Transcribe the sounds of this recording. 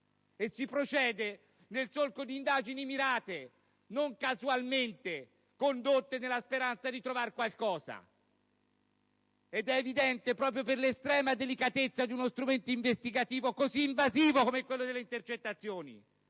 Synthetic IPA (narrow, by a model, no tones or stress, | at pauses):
esːipɾot͡ʃɛːd̪e | nelsolkod̪iːnd̪aːd͡ʒinimiɾaːt̪e | noŋkazualment̪e | kond̪ot̪ːenelːaspeɾant̪sad̪it̪ɾovarkwalkɔːza̰ | ed̪ɛːvid̪ɛnt̪epɾɔːp̬ɾjoperlest̪ɾɛːmad̪elikat̪et̪sːad̪iunost̪ɾument̪oiɱvest̪iɡat̪iːvokoziːɱvaziːvokomɛkːwelːod̪elːeint̪ert͡ʃet̪ːat̪sːjoːnḭ